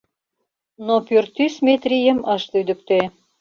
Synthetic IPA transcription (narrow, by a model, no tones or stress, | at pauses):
nopørt̪ysmet̪rʲijə̆mɤ̆ʃlyd̪ə̆k̚t̪e